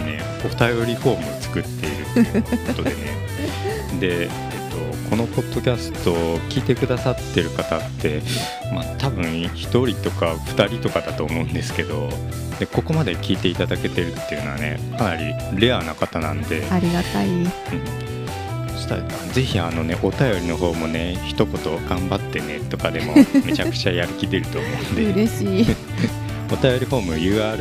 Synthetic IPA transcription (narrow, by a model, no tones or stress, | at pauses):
ne̞̰ | o̞t̪ajo̞ɾʲiɸo̞ːmɯot͡sɨ̥kɯ̟t̪ːe̞iɾɯ̟t̪ːjɯot̪od̪e̞̰ne̞̰ | d̪e̞ | et̪ːo̞kʰo̞no̞po̞d̪ːo̞kʲasɨ̥t̪o̞ːkʲiːt̪e̞kɯ̟d̪asat̪ːe̞ɾɯ̟kat̪at̪ːe̞ | mat̪abɯ̟̃ɰ̃çi̥t̪o̞ɾʲit̪o̞kaɸɯ̥t̪aɾʲit̪o̞kad̪at̪o̞ːmo̞ɯ̟̃nd̪e̞sɨ̥ke̞d̪o̞ | d̪eko̞ko̞mad̪e̞kʲiːt̪e̞it̪ad̪ake̞t̪e̞ɾɯ̟t̪ːe̞jɯ̟noa̰ne̞̰kʰanaɾʲḭ | ɾe̞anakat̪anã̰no̞d̪e̞aɾʲiɡat̪ai | ɯ̟̃ɴ | sɨ̥t̪aaze̞çiano̞ne̞ʔo̞t̪ajo̞ɾʲino̞ɦo̞ːmo̞ne̞çi̥t̪o̞ko̞t̪o̞ɡ̥ãmbat̪ːe̞net̪o̞kad̪e̞mo̞me̞t͡ɕakɯ̥t͡ɕajaɾɯ̟kʲid̪e̞ɾɯ̟t̪o̞ːmo̞ɯ̃nd̪eɾeɕiː | o̞t̪ajo̞ɾʲiho̞ːmɯ̟jɯ̟ːaːɾɯ